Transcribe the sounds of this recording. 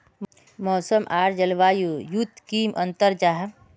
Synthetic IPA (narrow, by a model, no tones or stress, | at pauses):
mɔːsəmʔaːɾd͡ʒəlʋaːjujut̪kiːmʔɐ̃nt̪əɾd͡ʒaːɦ